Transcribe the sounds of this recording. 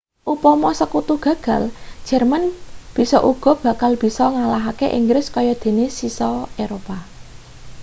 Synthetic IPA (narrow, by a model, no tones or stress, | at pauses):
ʔupɔmɔsəkut̪uɡ̥ä̤ɡ̥a̤ld̥ʒ̥ɛrmanb̥i̤sɔ̰ʔuɡ̥ɔ̤b̥ä̤kalb̥i̤sɔŋalaɦakeʔḭŋɡɾɪskɔjɔd̪̥e̤nesisɔeɾopa